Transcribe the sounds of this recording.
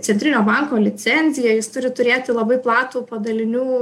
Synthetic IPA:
sʲɛnt̪ʲɾʲɪnʲoːbɑŋkoːlʲɪsʲɛnʲzʲɪjɛjɪst̪ʊɾʲɪt̪ʊɾʲeːt̪ʲɪlˠɐbɐɪplˠɑːt̪uːpɐd̪ɐlʲɪnʲuː

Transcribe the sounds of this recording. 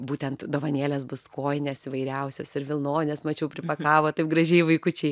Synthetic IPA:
buːtʲɛnt̪d̪oːʋɐnʲeːlʲɛsbʊskoːjnʲeːsiːʋɐɪɾʲɛʊsʲoːsɪɾʋʲɪlˠnoːnʲɛːsmɐt͡ʃʲɛʊpʲɾʲɪpɐkɑːʋoːt̪ɐɪp̚ɡɾɐʒʲɛɪʋɐɪkʊt͡ʃʲɛɪ

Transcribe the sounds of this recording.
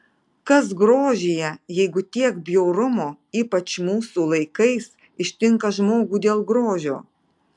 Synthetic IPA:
kɐs̬ɡɾoːʒʲejɛjɛɪɡʊt̪ʲiɛkbʲjɛʊɾʊmoː | iːpɐt͡ʃmuːsulˠɐɪkɐɪs | ɪʃʲt̪ʲɪŋˑkɐʒmoːɡuːd̪ʲeːlˠɡɾoːʒʲo̰ː

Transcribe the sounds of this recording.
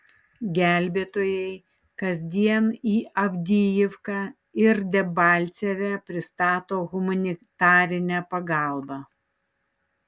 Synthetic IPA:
ɡʲæˑlʲbʲeːt̪oːjɛɪ | kɐzʲd̪ʲiɛniːʔɐbʲd̪ʲijɪfkɑ | ɪɾd̪ʲɛbɑːˑlʲt̪sʲɛʋʲɛpʲɾʲɪst̪ɑːt̪oːɣʊmɐnʲɪt̪ɑːɾʲɪnʲæpɐɡɑˑlˠbɑː

